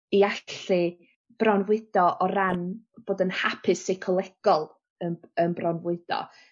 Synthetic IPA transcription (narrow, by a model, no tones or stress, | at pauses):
iaɬɨ | b̥rɔnvwɪd̥ɔʔɔɾanb̥oːdənhapʰɪsejkʰɔlˠɛɡ̥ɔlˠ | ənənbrɔnvɪd̥ɔ̰